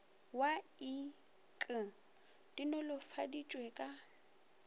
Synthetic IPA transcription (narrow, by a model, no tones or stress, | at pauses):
wai | kʼɪ | d̥inɔlʊfadit͡ʃʼwɛkʼa